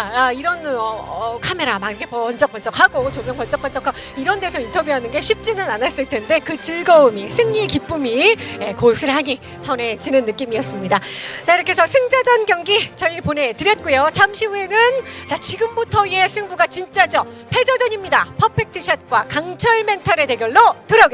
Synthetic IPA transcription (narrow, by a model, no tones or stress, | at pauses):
t͡ɕaaiɾʌnʌkʰame̞ɾamaɡiɾʌkʰepʌʌnt͡ɕ͈ʌk͈ʌnt͡ɕ͈ʌk̚haɡot͡ɕomjʌŋkʌnt͡ɕ͈ʌk͈ʌnt͡ɕ͈ʌkʰa | iɾʌnde̞sʰʌintʰʌbjuɦanɯnɡe̞ɕʰip̚t͡ɕ͈inɯnanas͈ɯɭtʰe̞nde̞kɯt͡ɕɯɭɡʌumisʰɯŋɲikip͈umijekosʰɯɭhaɲi | t͡ɕʰʌne̞t͡ɕinɯnːɯk͈imiʌs͈ɯmɲidat͡ɕaiɾʌkʰe̞sʰʌsʰɯŋd͡ʑad͡ʑʌnɡjʌŋɡit͡ɕʌipone̞tɯɾjʌt̚k͈ujot͡ɕʰamɕʰibue̞nɯnt͡ɕat͡ɕiɡɯmbutʰʌie̞sʰɯŋbuɡat͡ɕint͡ɕ͈ad͡ʑʌ | pʰe̞d͡ʑʌd͡ʑʌɲimɲidapʰʌpʰek̚tʰiɕʰʌt̚k͈wakaŋt͡ɕʰʌɭme̞ntʰʌɾe̞de̞ɡjʌɭːotɯɾʌɡe